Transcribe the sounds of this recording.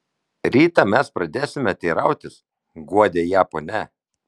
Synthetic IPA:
ɾʲiːt̪ɑmʲɛspɾɐd̪ʲeːsʲɪmʲɐt̪ʲɛːɾɐʊt̪ʲɪs | ɡuɔd̪ʲeːjæːponʲɛ

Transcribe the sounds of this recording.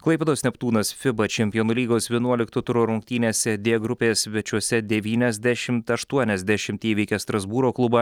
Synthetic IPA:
klˠɐɪpʲɛd̪oːsʲnʲɛpt̪uːnɐsfʲɪbɐt͡ʃʲɛmʲpʲɪjoːnulʲiːɡoːsʋʲiɛnuɔlʲɪkt̪ʊt̪ʊɾoːɾʊŋʲkt̪ʲiːnʲeːsʲɛd̪ʲeːɡɾʊpʲeːsʲʋʲɛt͡ʃʲuɔsʲɛd̪ʲɛʋʲiːnʲɛzʲd̪ʲæʃʲɪmt̪ɐʃt̪uɔnʲɛzʲd̪ʲæʃʲɪmt̪ʲiːʋʲiːkʲɛst̪ɾɐzbuːɾoːklˠʊbɐ

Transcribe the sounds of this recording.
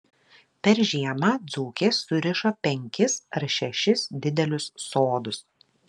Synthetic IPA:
pʲɛɾʒʲiɛmɐd̪zuːkʲeːsʊɾʲɪʃoːpʲɛŋʲkʲɪsɐɾʃʲɛʃʲɪsd̪ʲɪd̪ʲɛlʲʊsːoːd̪ʊs

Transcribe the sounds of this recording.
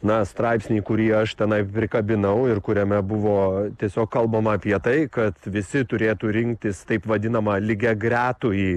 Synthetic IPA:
nɐst̪ɾɑɪpʲsʲnʲiːkʊɾʲiɛɐʃt̪ʲɛnɐɪpʲɾʲɪkɐbʲɪnɐʊɪrkʊɾʲɛmʲɛbʊʋoːt̪ʲiɛsʲoːkkɐlˠbɐmɐɐpʲiɛt̪ɐɪkɐt̪ʋʲɪsʲɪt̪ʊɾʲeːt̪uːɾʲɪŋk̚t̪ʲɪst̪ɐɪpʋɐd̪ʲɪnɐmɐlʲɪɡʲɛɡɾʲæːt̪ʊiː

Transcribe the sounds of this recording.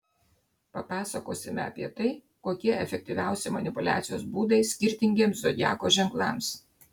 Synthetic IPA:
pɐpɑːsɐkoːsʲɪmʲɛ̰ɐ̰pʲiɛt̪ɐɪ | koːkʲiɛɛfʲɛk̚t̪ʲiʋʲæˑʊsʲɪmɐnʲɪpʊlʲæ̰ːt̪sʲɪjoːsbuːd̪ɐɪsʲkʲɪɾʲt̪ʲɪŋʲɡʲiɛmszod̪ʲjæ̰ːkoːʒʲɛŋklˠɑ̰ˑms

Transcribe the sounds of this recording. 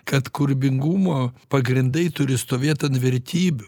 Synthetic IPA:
kɐt̪kʊɾʲbʲɪŋɡumoːpɐɡɾʲɪnd̪ɐɪt̪ʊɾʲɪst̪oːʋʲeːt̪ɐntʋʲɛɾʲt̪ʲiːbʲʊ

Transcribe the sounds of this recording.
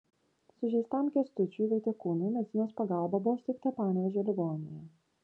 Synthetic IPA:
sʊʒʲɛɪst̪ɐˑmkʲɛst̪ʊt͡ʃʲuiʋʲɐɪt̪ʲɛkuːnɐɪmʲɛsʲɪnʲoːspɐɡɑˑlˠbɐbʊʋɔːsʲt̪ʲɪkt̪ɐpɑːnʲɛʋʲɛʒʲɛlʲɪɡɔːnʲɪjɛ

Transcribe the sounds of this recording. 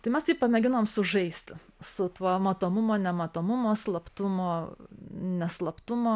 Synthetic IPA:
t̪ɐɪmʲɛst̪ʲiːppɐmʲɛɡʲɪnoːmsʊʒɐɪsʲt̪ʲɪsʊt̪umɐt̪oːmʊmoːnʲɛmɐt̪oːmʊmoːslˠɐpt̪ʊmoː | nʲɛslˠɐpt̪ʊmoː

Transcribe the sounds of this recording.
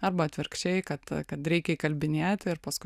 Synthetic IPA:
ɐɾbɐɐt̪ʲʋʲɪɾkʃʲt͡ʃʲɛɪkɐt̪kɐt̪ɾʲɛɪkʲɛikɐlʲbʲɪnʲeːt̪ʲɪɾpɐskʊ

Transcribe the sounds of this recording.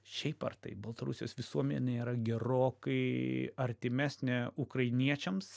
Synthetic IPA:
ʃʲɛɪpɐ̰rt̪ɐ̰ɪbɐlˠt̪ɐɾʊsʲjoːsʋʲɪsuɔmʲɛnʲeiːɾɐɡʲɛɾoːkɐɪɐɾʲt̪ʲɪmʲæːsʲnʲɪʊkɾɐɪnʲiɛt͡ʃʲɛms

